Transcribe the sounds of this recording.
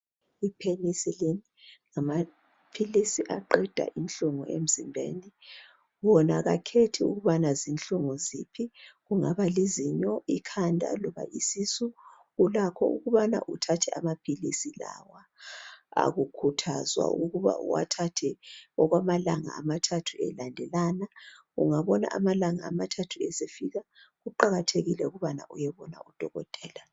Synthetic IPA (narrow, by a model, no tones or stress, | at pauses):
ipʰelisileniŋama | pʰilisiʔaǃɛd̥ʱa̰ʔinɬuŋuʔem̩zimbʱḛːni | wɔnaɣakʰetʰiṵɣuβanazinɬuŋuzipʰiɣuŋaβaleziɲɔʔikʰandʱa̰lɔβa̰ʔisisu | ɣulakʰɔ̰ʔuɣuβana̰ʔutʰatʰɛamapʰilisila̰wa | a̰ɣukʰutʰa̰zwa̰uɣuβa̰ṵwa̰tʰatʰɛɔɣwamalaŋa̰ːmatʰatʰuɛlandʱɛlanaɣṵŋaβɔna̰ʔamalaŋaːmatʰatʰuɛsefiɣaɣuǃaɣatʰeɣilɛuɣuβana̰ʔujɛβɔna̰ud̥ʱɔɣɔ̰d̥ʱɛːla